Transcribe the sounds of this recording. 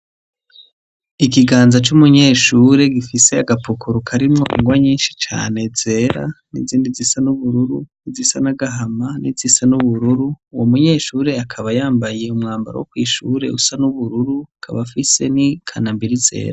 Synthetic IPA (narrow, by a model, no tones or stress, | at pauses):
ikiɡaːnzat͡ʃumuɲe̞ːʃuːɾe̞ɡifise̞aɡapukʰuɾukʰaɾimŋo̞ʔḭŋɡwaɲiːnʃi̥t͡ʃa̰ːne̞z̥e̞ːɾa̰nḭziːndizisanuβuɾuɾṵnizisanaɡaɦamanizisanuβuɾuɾuwomuɲe̞ːʃuːɾe̞akʰaβajaːmbaje̞umŋaːmba̰ɾa̰wokwiːʃuɾe̞̰usanuβuɾuɾuakʰaβafise̞nikʰanambiɾize̞̰ːɾa